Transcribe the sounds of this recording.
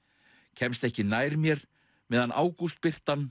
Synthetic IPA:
cʰɛmst̪ɛhcɪnaːjɾmjɛɾ | mɛːðanʔa̰ːwkust̪̚pɪr̥t̪an

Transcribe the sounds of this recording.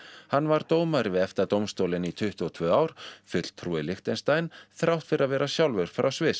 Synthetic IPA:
hanːvaɾt̪oːwmaɾvɪðɛft̪at̪owmst̪owlɪnit̪ʰʏht̪uɔt̪ʰvœːawɾ̥fʏt̪l̥t̪ʰɾuːɪlɪxt̪ɛnst̪ajnθɾʔawht̪fɪɾaðvɛːɾasjawlvɛɾ̥fɾʔa̰wsvɪs

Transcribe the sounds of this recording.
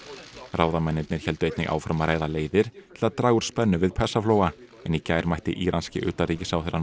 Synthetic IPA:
rʔaːwðamɛnːɪt̪nɪɾ̥çɛlt̪ʏejt̪nɪ̰ɣʔa̰ːwfɾamaɾeːjðaleːjðɪɾ̥t̪ʰɪlat̪ɾaːɣʏɾ̥spɛnːʏvɪðpʰɛsafloːwa | ɛnicaːjɾmajht̪ɪʔiːɾʔanscɪʔʏ̰ːt̪aɾiːcɪsaːwθɪɾa

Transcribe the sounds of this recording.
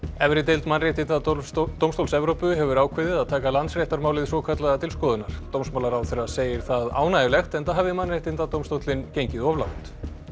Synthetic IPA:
ɛvɾɪt̪ejlt̪manreht̪ɪnt̪at̪owmst̪owlsɛvɾowpʏɦɛvʏɾaːwkʰvɪðɪðaðt̪ʰaːkalant̪sr̥ɛht̪aɾmaːwlɪðɪsɔːkʰat̪laɣat̪ʰɪlskɔːðʏnaɾ̥t̪owmsmawlaɾawθɛraseːjɪɾ̥θaða̰ːwnajɪlɛxt̪ɛnt̪aɦavɪmanrejht̪ɪnt̪at̪owmst̪owt̪lɪncejɲcɪðɔvla̰wt̪

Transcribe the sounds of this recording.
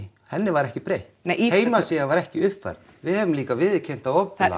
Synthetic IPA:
hɛnːɪvaɾɛhcɪpɾeːjht̪eheːjmasiːɣavaɾɛhcɪʏhpfa̰ɾð | vɪðhɛvɪmliːkavɪðcʰɛjn̥t̪aðɔpla̰

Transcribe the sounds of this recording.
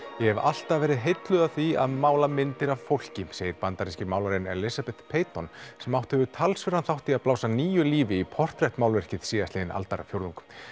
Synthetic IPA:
jɛhɛval̥t̪avɛːɾɪðɦejt̪lʏðaθia̰ðmaːwlamɪnt̪ɪɾavfowl̥cɪseːjɪɾpant̪aɾiscɪmaːwlaɾɪnɛɾlɪsapɛt̪pʰeːjt̪ɔnsɛmawht̪hɛvʏt̪ʰalsvɪɾanθawt̪iaðplaːwsaniːjʏliːvɪipʰɔr̥t̪ɾɛht̪mawlvɛr̥cɪð̥siːðat̪ɪːðɪnʔa̰lt̪aɾafjowɾðuŋk

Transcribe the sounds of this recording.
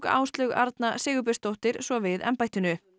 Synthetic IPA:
ka̰ːwst̪lœɣa̰ɾt̪nasɪːɣʏp̬ɪ̥st̪owht̪ɪɾ̥svɔvɪðɛ̰mpajt̪ɪnʏ

